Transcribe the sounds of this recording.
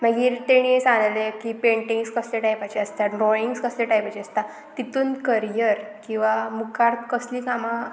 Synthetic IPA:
m̤aɡiːɾt̪eɽ̃iesanlekipeɳʈĩŋɡskəsleʈajpat͡ɕiəst̪aɖɾɔiŋɡskəsleʈajpat͡ɕiəst̪a | t̪it̪uːnkəɾjəɾkĩw̃ʋamukʰaɾt̪kəslikamã

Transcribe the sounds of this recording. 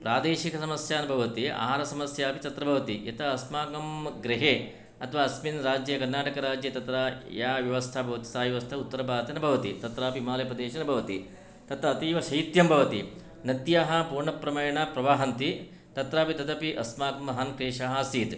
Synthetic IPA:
pɾaːd̪eːʃikɐsɐmɐsjaːnɐbʱɐʋɐt̪ia̰ːɦaːɾɐsɐmɐsjaːpit͡ʃɐt̪ɾɐbʱɐʋɐt̪ijɐt̪ɐɐsmaːkɐmɡɾiɦeː | ɐt̪ʰɐʋaːɐsminɾaːd͡ʒjɐkɐɾnːaːʈɐkɐɾaːd͡ʒjɐt̪ɐt̪ɾaːjaːʋjɐʋɐst̪ʰabʱɐʋɐt̪i̥saːjɐʋɐst̪ʰɐut̪ːɐɾɐbʱaːt̪ɐnɐbʱɐʋɐt̪ḭt̪ɐt̪ɾaːpimaːlɐjɐpɾɐd̪eːʃɐnɐbʱɐʋɐt̪ḭ | t̪ɐt̪ɐɐt̪iːʋɐʃɐjit̪jɐmbʱɐʋɐt̪i | nɐd̪jaːɦɐpuːɾɳɐpɾɐmɐjɐɳaːpɾɐʋaːɦɐnt̪i | t̪ɐt̪ɾaːpit̪ɐd̪ɐpiʔɐsmaːkɐmɐɦaːnkɾeːʂaːɦɐsiːd̪

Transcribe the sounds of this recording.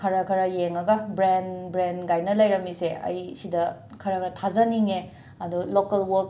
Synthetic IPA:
kʰɐɾɐkʰɐɾɐjeŋɐɡɐbɾenbɾenɡajnɐlɐjɾɐmiseʔɐ̰jsidɐ | kʰɐɾɐkʰɐɾɐt̪ʰazɐniŋe | ɐd̪ulokɐlwok̚

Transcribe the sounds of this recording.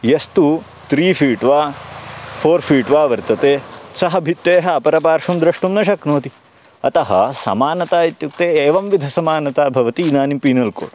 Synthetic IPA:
jɐst̪u | t̪ɾiːpʰiːʈʋaː | pʰoːɾfʰiːʈʋaːʋɐɾt̪ɐt̪eːsɐɦɐbʱit̪ːʋeːɦɐɐpɐɾɐpaːɾʂumd̪ɾɐʂʈumnɐʃɐknoːt̪i | ɐt̪ɐɦɐ̰sɐ̰maːnɐt̪aːjit̪juk̚t̪eːeːʋɐmʋid̪ʱɐsɐmaːnɐt̪aːbʱɐʋɐt̪iːnaːnimpiːnɐlko̰ːɽ

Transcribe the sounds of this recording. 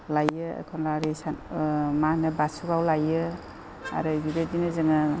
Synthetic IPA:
lajɯa̰kʰɔnlaɾesanmanɯbasuɡawlajɯ | a̰ɾɯbiɾedinɯzɯŋa

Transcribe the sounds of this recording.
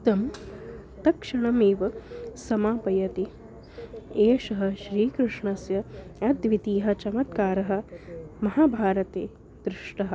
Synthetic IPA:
t̪ɐm | t̪ɐkʂɐɳɐmeːʋɐsɐmaːpɐjɐt̪i | eːʂɐɦɐ̆ʃɾiːkɾɪʂɳɐsjɐɐd̪ʋit̪iːɦɐ̆t͡ʃɐmɐt̪̚kaːɾɐɦɐ̆mɐɦaːbʱaːɾɐt̪eː | d̪ɾɪʂʈɐɦɐ̆

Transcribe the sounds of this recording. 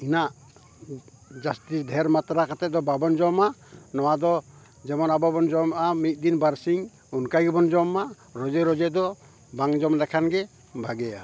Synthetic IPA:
inaʔ | d͡ʒast̪isd̪ʱɛɾmat̪ɾakat̪ɛd̪ɔbabɔnd͡ʒɔmanɔwad̪ɔ | d͡ʒɛmɔnababɔnd͡ʒɔmamit̪̚ˀd̪inbaɾsiŋ | unkajɡɛbɔnd͡ʒɔma | ɾɔd͡ʒɛɾɔd͡ʒɛd̪ɔ | baŋd͡ʒɔmlɛkʰanɡɛ | bʱaɡɛja

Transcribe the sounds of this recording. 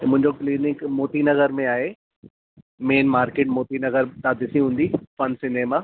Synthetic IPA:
mʊ̃ɦɪ̃ɲd͡ʑokliːnɪkmoːt̪inɐɣəɾmẽaːɦe | meːnmaːɾkeːʈmoːt̪inɐɣəɾt̪aːd̪ɪsiɦũːn̆d̪ifɐnsɪneːma

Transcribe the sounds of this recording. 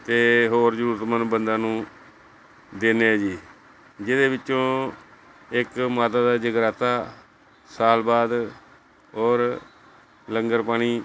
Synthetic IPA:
t̪eːɦoːɾd͡ʒəɾuːɾət̪mənbənd̪ãːnũː | d̪eːneːd͡ʒiː | d͡ʒɪd̪eːbɪt͡ʃːt͡ʃõː | ɪkmaːt̪aːd̪aːd͡ʒəɡɾaːt̪aː | saːlbaːd̪ | oːɾ | ləŋɡəɾpaːɽ̃iː

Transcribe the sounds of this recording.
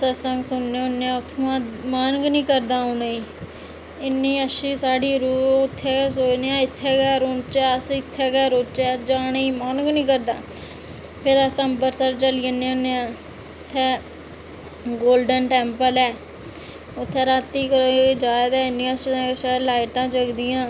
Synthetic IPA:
səsəŋɡsʊnːeːʊnːeãːʊt̪ʰːõãmanɡnĩːkəɾd̪ãːʊneĩː | ɪnːiːəʃiːsaːɽiːɾuːʊt̪ʰːeːsoːd͡ʒneːãːɪt̪ʰːɛːɡɛːɾot͡ʃɛːəsɪt̪ʰːɛːɡɛːɾoːt͡ʃɛːd͡ʒaːniːmanɡnĩːkəɾd̪a̰ː | pʰɪɾəsəmbəɾsəɾt͡ʃəliːənːẽonːeãː | t̪ʰːɛː | ɡoːlɖənʈɛːmpəlɛː | ʊt̪ʰːɛːɾaːt̪ːiːkːd͡ʒaːd̪ɛːɪnːĩːəʃʃaːlaːɪʈãːt͡ʃəɡd̪ɪjãː

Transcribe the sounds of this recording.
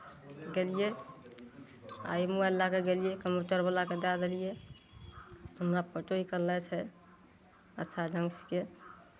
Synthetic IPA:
ɡelije | a̰jmualːakeɡelijekəmpuʈəɾbəlaked̪ad̪elije | ɦəmɾapəʈoikəɾlɛt͡ʃʰɛ | ə̰tːʃʰad͡ʒəŋske

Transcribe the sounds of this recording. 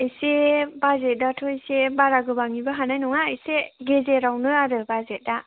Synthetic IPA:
esebazet̚datʰɔisebaɾaɡɯbaŋibaɦanajnuŋaejseɡezeɾawnɯaɾɯbazet̚da

